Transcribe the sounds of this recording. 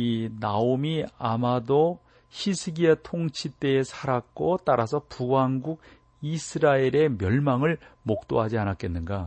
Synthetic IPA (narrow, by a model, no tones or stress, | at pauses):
inaomiamado | ɕisʰɯɡiatʰoŋt͡ɕʰit͈e̞ːsʰaɾak̚k͈ot͈aɾasʰʌpuɡanɡuɡ̚ | isʰɯɾaeɾe̞mjʌɭmaŋɯɭmok̚t͈oɦad͡ʑianak͈e̞nːɯnɡa